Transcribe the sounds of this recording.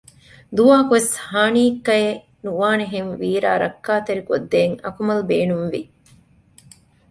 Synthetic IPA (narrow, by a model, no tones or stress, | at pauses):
d̪uʋaːkuʋeshaːniːkːɐe | nuʋaːneɦenʋiːɾa̰ːɾɐkːaːt̪eɾikod̪ːeːŋɐ̰kumɐlbeːnumʋi